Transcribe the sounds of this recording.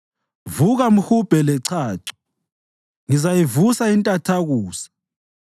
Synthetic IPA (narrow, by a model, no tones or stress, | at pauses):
vuɣam̩xub̥ʱɛlɛǀʰaːǀɔ̥ | ŋizajivusaintʼatʰaɣuːsḁ